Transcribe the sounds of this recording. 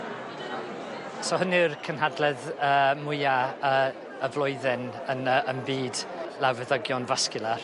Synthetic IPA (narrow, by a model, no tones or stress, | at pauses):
sɔhənɨrkʰənhadlɛðəːmʊɨaə | əvlˠɔjðɛnənəənbiːdlawvɛðəɡjɔnvaskɨlˠar